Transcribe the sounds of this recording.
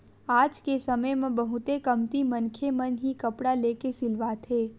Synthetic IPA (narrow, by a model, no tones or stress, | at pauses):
aːd͡ʒkesəməjmẽbəɦʊt̪ekəmt̪imənkʰemənɦikɐpɽaleːkesɪlʋaːt̪ɦeː